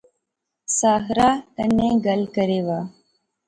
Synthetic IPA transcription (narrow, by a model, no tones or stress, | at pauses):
saːɦɾaːt̪ɐneɡɐlkəɾeːʋaː